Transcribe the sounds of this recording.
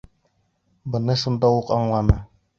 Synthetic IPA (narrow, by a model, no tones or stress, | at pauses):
bɤ̆nɤʃund̪ɑwuqɑɴlˠɑnɤ